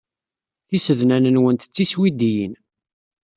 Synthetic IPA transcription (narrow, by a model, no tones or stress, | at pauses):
θisəðnænənwənt̪ə̥t͡sːiswid̪ijən